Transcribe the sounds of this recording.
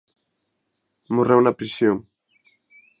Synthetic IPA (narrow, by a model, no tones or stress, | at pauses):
morewnɐpɾisjoŋ